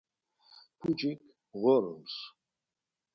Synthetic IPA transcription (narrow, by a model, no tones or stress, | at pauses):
pʰud͡ʒik | ɣɔɾums